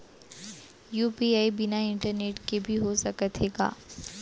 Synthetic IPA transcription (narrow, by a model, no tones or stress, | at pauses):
juːpiːaːibɪnaɪ̃ɳʈəɾneːʈkebʱiɦosɐkət̪ʰeːɡa̰ː